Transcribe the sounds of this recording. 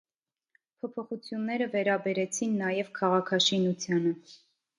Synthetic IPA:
pʰɔpʰɔχut͡sʰjunːɛɾəvɛɾɑbɛɾɛt͡sʰinːɑjɛvkʰɑʁɑkʰɑʃinut͡sʰjɑnə

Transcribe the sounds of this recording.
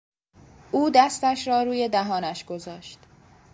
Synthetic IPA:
ʔuːd̪æst̪æʃɾɒːɾuːje̞d̪æɦɒːnæʃɡ̥o̞zɒːʃt̪

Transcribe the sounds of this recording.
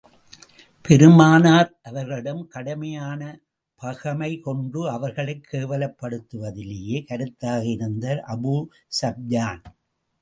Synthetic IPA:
pɛɾɯmaːnaːɾʔɐʋɐɾɣɐɭɪɽɐmkɐɽɐmɐjaːnɐ | pɐɣɐmɐɪkɔɳɖɯɐʋɐɾɣɐɭɐɪkʰːeːʋɐlɐpːɐɽɯt̪ːɯʋɐðɪlejeːkɐɾɯt̪ːaːɣɐɪɾɯnd̪ɐɾʔɐbu | sɐb̚jaːn

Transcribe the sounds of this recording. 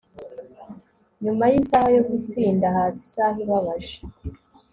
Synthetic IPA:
ɲumajisahajo̞ɡusiːndahaːsi̥saɦiβaβaʒe

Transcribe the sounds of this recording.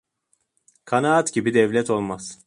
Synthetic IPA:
kʰanaːt̪ɟibid̪ɛvlʲɛt̪o̞lˠmaz̥

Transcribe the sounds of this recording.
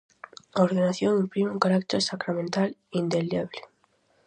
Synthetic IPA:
oɾðenaθjoŋimpɾimeuŋkaɾak̚t̪eɾsakɾamẽnt̪alind̪elaβle

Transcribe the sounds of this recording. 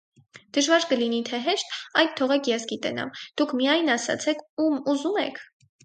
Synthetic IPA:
d̪̥əʒvɑɾkəlinit̪ʰɛɦɛʃt̪ɑjd̪̚t̪ʰːɔʁɛkʰjɛsɡit̪ɛnɑ̰md̪̥ukʰmijɑjnɑsɑ̰t͡sʰɛkʰumuzumɛ̰kʰ

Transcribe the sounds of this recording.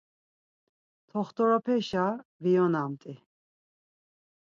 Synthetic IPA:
t̪ʰɔχt̪ɔɾɔpʰɛʃaviɔnamt̪ʼi

